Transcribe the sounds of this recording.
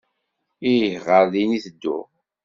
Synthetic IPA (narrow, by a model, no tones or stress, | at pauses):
ijçʁəɾðiniθəd̪ːʊ̰